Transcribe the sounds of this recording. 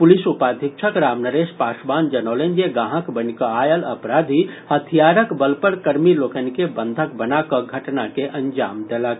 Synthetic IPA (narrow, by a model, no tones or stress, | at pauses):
pʊlisupaːd̪ʱɪk̚t͡ʃʰəkɾaːmnəɾeːʃpaːsbaːnd͡ʒɐnɔːlend͡ʒeɡãːɦəkbənkəaːjəlɐpɾaːd̪ʱihət̪ʰijaːɾəkbəlpəɾkɐɾmiloːkənkebə̃nd̪ʱəkbənakəɡʱɐʈnakeʔɐ̃nd͡ʒaːmd̪elək̚